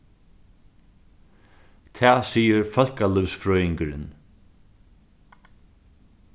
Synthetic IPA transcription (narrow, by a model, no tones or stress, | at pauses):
t̪ʰæːsiːəɾfœl̥kalʏwsfɾœːɪŋkəɾɪ̰n